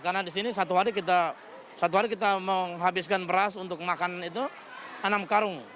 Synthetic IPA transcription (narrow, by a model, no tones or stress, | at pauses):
karnadis̬inisat̪uɦaɾikit̪a | sat̪̬uɦaɾik̬it̪aməŋɦabɪskanbəɾasunt̪ʊk̚makananit̪̬u | anamkaɾʊŋ